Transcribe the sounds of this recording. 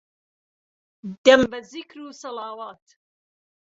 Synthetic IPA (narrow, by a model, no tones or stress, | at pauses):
d̪̥ɐmbɐzikɾuːsɐlaːwaːt̪